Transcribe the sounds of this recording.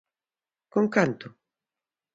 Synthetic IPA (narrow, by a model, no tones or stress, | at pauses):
koŋkant̪ʊ